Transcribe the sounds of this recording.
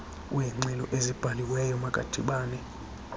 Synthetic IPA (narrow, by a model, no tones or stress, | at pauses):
wɛŋ͡ǀɛlɔʔezib̥ʱaliwɛjɔmakʼa̰d̥ʱiɓaːnɛ